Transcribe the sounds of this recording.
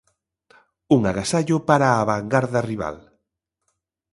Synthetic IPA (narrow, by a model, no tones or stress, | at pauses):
uŋaɣasaʎʊpaɾaːβaŋɡaɾðariβa̰l